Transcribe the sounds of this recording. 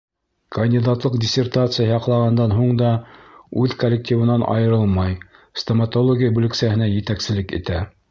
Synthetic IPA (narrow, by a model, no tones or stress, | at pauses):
kɐnʲdʲid̪at̪lˠɤqdʲɪsʲert̪at̪sɨjɑjɑqlˠɑʁɑnd̪ɑnɦuɴd̪ɑʉðkolʲːek̚tʲivɤ̆nɑnʔɑ̰jɤ̆ɾɤlˠmɑj | st̪omɐt̪olˠoɡʲijabʉlɘ̆ksæhɘ̆næjɘ̆t̪æksɘ̆lɘkḭt̪æ